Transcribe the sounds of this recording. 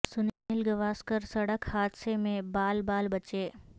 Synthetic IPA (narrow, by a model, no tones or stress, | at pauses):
sʊnɪlɡɐʋaːskəɾsɐɽəkhaːd̪semẽbaːlbaːlbɐt͡ʃeː